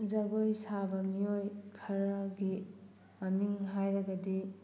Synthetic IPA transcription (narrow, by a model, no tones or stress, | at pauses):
zaɡojsabɐmiojkʰɐɾaɡi | mɐmiŋɦajɾɐɡɐdi